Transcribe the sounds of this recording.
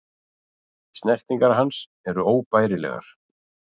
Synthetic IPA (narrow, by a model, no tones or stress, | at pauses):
st̪nɛr̥t̪iŋkaɾɦans | ɛɾʏoːwpaːjɾɪlɛ̰ɣa̰ɾ̥